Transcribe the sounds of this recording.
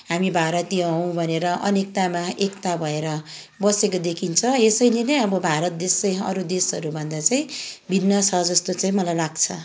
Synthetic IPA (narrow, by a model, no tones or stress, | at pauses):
ɦamibʱaɾʌt̪iɦʌw̃bʱʌneɾʌʔʌnek̚t̪amaekt̪abʱʌeɾʌ | bʌsekod̪ekʰint͡sʰʌ̃esʌjlenʌjʌbʌbʱaɾʌt̪̚d̪esaj̃ʌ̰ɾud̪esʌɾubʱʌnd̪at͡saĩbʱinːʌt͡sʰʌd͡zʌst̪ot͡saĩmʌlajlaɡt͡sʰʌ